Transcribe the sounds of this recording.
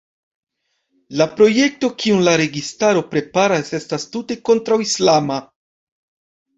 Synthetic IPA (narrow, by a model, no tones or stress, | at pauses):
lapɾo̞je̞k̚to̞kʰiunlaɾe̞ɡistaɾo̞pɾe̞paɾase̞stastute̞ko̞ntɾawislama